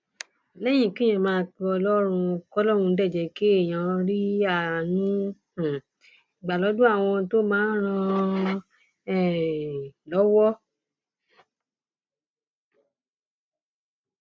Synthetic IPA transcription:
lɛ˦j̃ĩ˦˨kĩ˦ɛ̃˧˨mãː˨˧k͡pɔ˧lɔ˦ɾ̃ũ˧kɔ˦lɔ˦ɾ̃ũ˧˦dɛ˦˨d͡ʒɛ˧ke˦e˦˨j̃ã˨ɾi˦a˦˨nũ˦˨ | i˨ɡ͡ba˨lɔ˨˦du˦a˦˨w̃ɔ̃˧to˦mãː˨˦ɾ̃ã˧ | ɛ˦˨ | lɔ˨˦wɔ˦

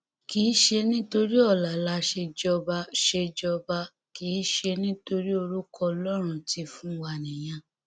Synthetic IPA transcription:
ki˨˦ʃe˧nĩ˦to˧ɾi˦ɔ˦˨la˨la˨˦ʃe˧d͡ʒɔ˧ba˧ʃe˧d͡ʒɔ˧ba˧ | ki˨˦ʃe˧nĩ˦to˧ɾi˦o˧ɾu˦kɔ˧lɔ˦ɾ̃ũ˧ti˧fũ˦wa˧nĩ˨j̃ã˧

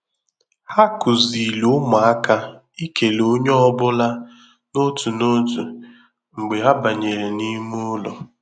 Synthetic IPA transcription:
ha˦kʊ˨zi˨lu˨˦ma˨a˦ka˦ | i˦ke˨lo˦ɲ˦ɔ˦bʊ˦la˦ | no˦tu˨no˦tu˨ | ŋ͡m̩˨ɡ͡be˨ɦa˦ba˨ɲe˨ɾe˨ni˦mu˦lɔ̰˨

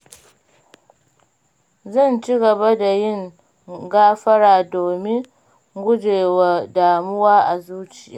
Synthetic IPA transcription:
zɐ˦˨nt͡ʃi˦ɡɐ˨ba˦da˨jɪ˦˨ŋ | ɡaː˦ɸɐ˦ɽaː˨doː˨mɪ˦ŋ | ɡʷʊ˦d͡ʒeː˨wa˨daː˨mʊ˦waː˦ʔa˨zuː˦t͡ʃɪ˨ja̰ː˨

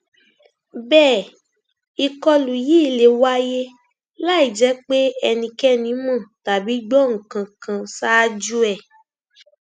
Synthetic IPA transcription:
bɛː˦˨ | i˧kɔ˧lu˨ji˦˨le˨wa˦je˦ | la˦i˨d͡ʒɛ˨˦k͡pe˦ɛ˧nĩ˧kɛ˦nĩ˨˦mɔ̃˦˨ta˨bi˨˦ɡ͡bɔ˦ŋ̩˨kã˨kã˧sa˦d͡ʒu˦ɛ˦˨

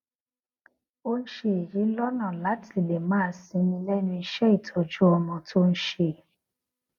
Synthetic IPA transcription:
o˦n̩˦ʃe˧˦e˨ji˨˦lɔ˦nã˦˨la˨˦ti˦˨le˨mãː˦sĩ˧nĩ˧lɛ˦nũ˧i˧ʃɛ˦i˦˨tʰɔ˨d͡ʒu˦ɔ˧mɔ̃˧tʰo˦n̩˦ʃe˧˨

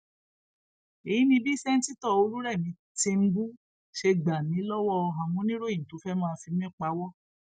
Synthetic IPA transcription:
e˨ji˦nĩ˧˦bi˦˨sɛ˦n̩˦ti˦tɔ˦˨o˧˦ɾũ˦ɾɛ˦˨mĩ˨˧˦ | te˧m̩˦bu˦ | ʃe˧ɡ͡ba˨mĩ˨˦lɔ˦wɔ˦˧ɦã˨mũ˨˦nĩ˦ɾo˦˨jĩ˨to˨˦fɛ˦mã˦˧fi˧mĩ˦˨k͡pa˨˦wɔ˦˨

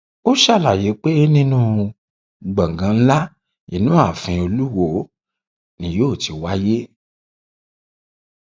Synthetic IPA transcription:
o˦ʃa˦˨la˨je˨˦k͡pe˦nĩ˦nũ˦˨ | ɡ͡bã˨ɡã˨˧n̩˦la˦ | i˨˦nũ˦a˦˨fĩ˧o˧lu˦wo˦˨ | nĩ˨joː˦˨ti˧wa˦je˦

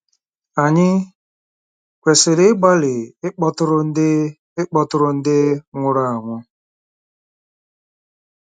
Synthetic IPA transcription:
a˨ɲɪ˦ | kʷe˨sɪ˨dɪ˦ɡ͡ba˦lɪ˨ɪ˦k͡pɔ˦tʊ˦ɾʊ˦n̩˦dɪ˦ | ɪ˦k͡pɔ˦tʊ˦ɾʊ˦n̩˦dɪ˦ŋʷʊ˦ɾa˦˨a˨ŋʷʊ˦

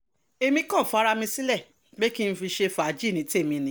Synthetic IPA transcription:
e˨mĩ˧kã˦˨fa˦ɾa˧mĩ˧si˦lɛ˦˨ | ɡ͡be˦ki˦n̩˧fi˧ʃe˧fa˨˦d͡ʒi˦˨nĩ˨˦ti˦e˦˨mĩ˧nĩ˧˦

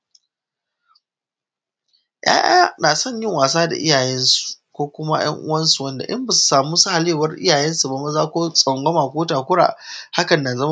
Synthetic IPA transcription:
jʔa̰ː˦ʔaː˦naː˨sɔ˦˨ɲjɪ˦˨ŋwaː˨s̬aː˦da̰˨ʔɪ˦jaː˨jɛ˦nsu̥˨ | kʷoː˦kʷʊ˦ma˦j̰ɐ̰˦ŋʔʊ̰˦wɐ˦nsu˨wɐ˦nda̰˨ʔɪ˦mba˨su̥˨saː˨mu˦sa˦ha˨leː˦˨wɐ˦rʔɪ̰˦jaː˨jɛ˦nsu˨ba˨ma˦zaː˦kʷoː˦sʼɐ˨ŋɡʷɐ˦maː˨kʷoː˦taː˨kʷʊ˦ɽa̰ː˨ha˦kɐ˨nːaː˨zɐ˦m˦

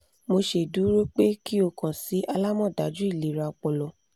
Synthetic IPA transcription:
mo˧ʃe˨du˨˦ɾo˦k͡pe˦ki˦o˧˨kã˨si˨˦ʔa˧la˦mɔ̃˦˨da˨˦d͡ʒu˦i˦˨li˨ɾa˧˨k͡pɔ˨lɔ˨

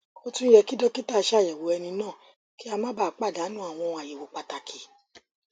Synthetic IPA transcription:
o˧tũ˦jɛ˧ki˦dɔ˦ki˦ta˦˨˧ʃjɛ˨wo˨˦ɛ˧nĩ˧nãː˦˨ | ki˦a˧mã˦ba˦˨k͡pa˦˨da˨˦nũ˦a˦˨w̃ɔ̃˧a˨je˨wo˨˦k͡pa˧ta˧kʰi˨˦

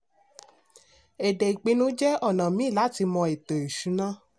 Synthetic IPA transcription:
ɛ˨de˨i˨k͡pe˨˧˦nũ˦d͡ʒɛ˦ɔ˦˨nã˨mĩ˨˦˨la˨˦ti˧mɔ̃˧e˨to˨e˨ʃu˨˦nã˦

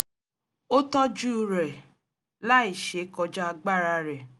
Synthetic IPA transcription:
o˦tɔ̃˦d͡ʒu˦˨ɾɛ˨ | la˦i˨ʃe˨˦kɔ˧˦d͡ʒa˦˧ɡ͡ba˦ɾa˧ɾɛ˨

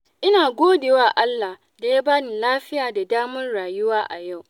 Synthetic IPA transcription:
ʔɪ˦naː˨ɡʷoː˦deː˨waː˦ʔa˦lːa˨h | da˨ja˦baː˦ni˨laː˦ɸɪ˦jaː˨da˨daː˦mʊ˦nɽaː˨jʊ˦waː˦ʔa˨ja˦˨w

